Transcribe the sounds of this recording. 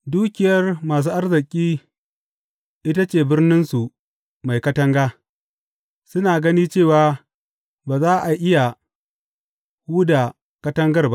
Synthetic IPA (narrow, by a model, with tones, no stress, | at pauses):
duː˦kʲɪ˨jɐ˦rmaː˨s̬uː˦ʔa˦rzɪ˨kʲʼiː˦ | ʔɪ˦ta˦t͡ʃeː˨bɪ˦rnɪ˦nsu˨ | ma˨jkɐ˦tɐ˦ŋɡaː˦ | sʊ˦naː˨ɡɐ˦niː˦t͡ʃeː˦˨waː˨ | baː˨zaː˦ʔa˨ʔɪ˦ja˨ | huː˦da˨ | kɐ˦tɐ˦ŋɡɐ˦rba˦